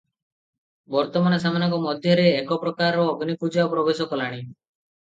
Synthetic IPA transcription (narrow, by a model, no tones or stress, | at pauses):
bɔɾt̪ɔmanɔsamanɔŋkɔmɔd̪ʱjɔɾeːkɔpɾɔkaɾɔːɡnikud͡ʒaopɾɔbesɔkɔlaɽ̃i